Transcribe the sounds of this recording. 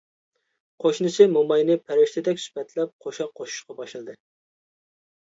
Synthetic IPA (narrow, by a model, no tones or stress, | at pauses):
qʰoʃnɨsʰɨmomɑjnɨpʰæɾɪʃt̪ʰɪd̪ɛkʲsy̥pɛt̪ʰlɛp̚qʰoʃɑqʰːoʃu̥ʃqɑbɑʃlˠɨd̪ɨ